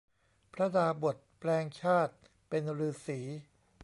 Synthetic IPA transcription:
pʰɾa˦˥daː˧bo˨˩t̪̚plɛː˧ŋt͡ɕʰaː˥˩t̪̚ | pe˧nɾɯː˧siː˩˦

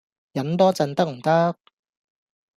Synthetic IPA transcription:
jɐ˨˥nt̪ɔː˥t͡sɐ˧nt̪ɐ˥k̚m̩˨˩t̪ɐ˥k̚

